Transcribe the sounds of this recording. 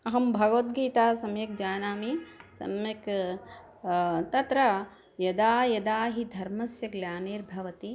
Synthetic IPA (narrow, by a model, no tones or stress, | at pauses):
ɐɦɐmbʱɐɡɐʋɐt̪̚ɡiːt̪aːsɐmjɐk̚d͡ʒaːnaːmisɐ̰mjɐk | t̪ɐt̪ɾɐ | jɐd̪aːjɐd̪aːɦid̪ʱɐɾmɐsjɐɡljaːniːɾbʱɐʋɐt̪i